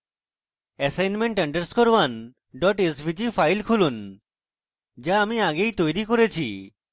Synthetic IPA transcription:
ɛsajnmeɳʈəɳɖeɾskoɾwan | ɖɔʈesbʱid͡ʑifajlkʰulun | d͡ʑaamiaɡejt̪ojɾikoɾet͡ɕʰḭ

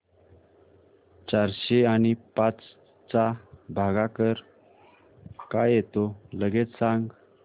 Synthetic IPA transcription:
t͡ɕaɾɕeanipat͡s | t͡sabʱaɡakəɾ | kajet̪oləɡet̪saŋɡ

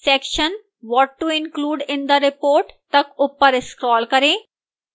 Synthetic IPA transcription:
sɛkʃən | ʋɔʈːuɪnkluːɖɪ̃nd̪əɾɪpoːɾʈt̪əkupːəɾeskɾɔːlkəɾẽ

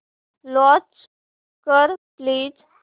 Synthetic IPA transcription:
lɔ̃t͡ʃ | kəɾpliːd͡z

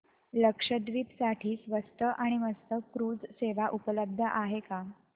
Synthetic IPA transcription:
ləkʂəd̪ʋiːt̪saʈʰiːsʋəst̪əʔaɽ̃iməst̪əkɾuːd͡zseʋaʔupələb̚d̪ʱəʔaɦeka

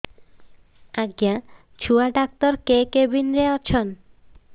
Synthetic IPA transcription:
aɡja | t͡ɕʰuaɖak̚t̪oɾkekebinɾeɔt͡ɕʰon

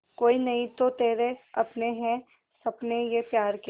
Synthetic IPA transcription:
koːinɐĩt̪ot̪eːɾeɐpneɦɛ̃ | sɐpnejepjaːɾk

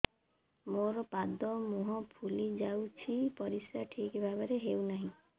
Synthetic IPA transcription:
moɾɔpad̪ɔmuɦɔpʰulid͡ʒawt͡ʃʰipɔɾisaʈʰikebʱabaɾeɦewnaɦĩ

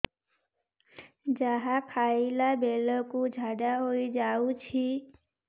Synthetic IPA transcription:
d͡ʒaɦakʰailabelɔkud͡ʒʱaɖaɦojd͡ʒaut͡ʃʰi

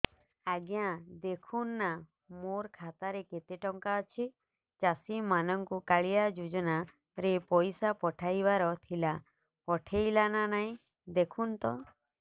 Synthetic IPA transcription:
aɡjãd̪ekʰunːa | moɾkʰat̪aɾeket̪eʈɔŋkaət͡ʃʰi | t͡ʃasimanɔŋkukaɭijad͡ʒud͡ʒɔna | ɾepɔjsapɔʈʰajbaɾɔt̪ʰila | pɔʈʰejlananaĩ | d̪ekʰunt̪ɔ

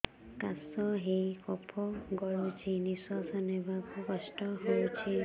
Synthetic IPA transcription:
kasɔɦejkɔpʰɔɡɔɹut͡ʃʰinisɔsɔnebakukɔsʈɔɦojt͡ʃʰi

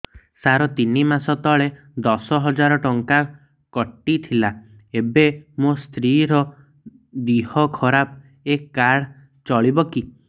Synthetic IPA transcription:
saɾɔt̪inimasɔt̪ɔɭe | d̪ɔsɔɦɔd͡ʒaɾɔʈɔŋka | kɔʈːit̪ʰila | ebemost̪ɾiɾɔ | d̪ihɔkʰɔɾap | ekːaɽ | t͡ʃɔɭibɔki

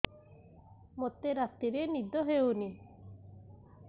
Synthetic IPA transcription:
mot̪ːeɾat̪ːiɾenid̪ɔɦeuni

